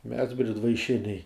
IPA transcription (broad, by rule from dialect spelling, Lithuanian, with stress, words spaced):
mʲɛs bʲrʲɪdʋɐɪˈʃʲɪnʲɛɪ